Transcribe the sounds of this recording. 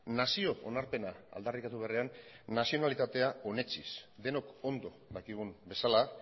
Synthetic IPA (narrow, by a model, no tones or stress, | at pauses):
nasio̞o̰naɾpe̞naa̰ld̪arikat̪uβe̞areanːasio̞nalit̪at̪e̞ao̞ne̞t͡ʃisd̪e̞no̞ko̞nd̪o̞ðakiɣ̞unbe̞sala